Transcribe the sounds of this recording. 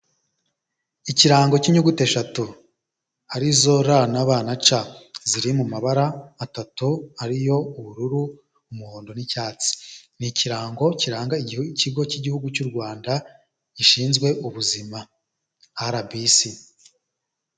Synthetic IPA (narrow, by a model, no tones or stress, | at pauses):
iciɾaːŋɡo̞ciɲuɡute̞ʃatu | aɾizo̞ɾanaβaːnat͡ʃaziɾimumaβaɾaːtatuaɾijo̞uβuɾuɾu | umuhoːndo̞nicaːt͡si̥niciɾaːŋɡo̞ciɾaːŋɡaiciɡo̞ciɟihuɡut͡ʃuɾɡwaːnda | iʃiːnzɡwe̞ʔuβuzima | aɾabisi